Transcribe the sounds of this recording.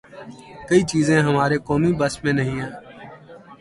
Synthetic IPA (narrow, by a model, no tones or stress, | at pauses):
kəiːt͡ʃiːzẽːɦəmaːɾeːkoːmiːbəsmẽːnəɦĩːɛ̃ː